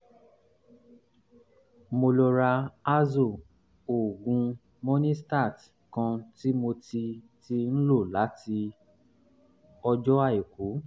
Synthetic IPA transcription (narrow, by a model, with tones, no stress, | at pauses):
mo˧lɔ˧ɾa˧a˦zo˦˨ | o˨ɡũ˧ | mo˦nĩ˦sta˦˨t | kã˧ti˦mo˧ti˧ti˦n̩˦lo˦˨la˨˦ti˧ | ɔ˧d͡ʒɔ˦a˦˨i˨ku˨˦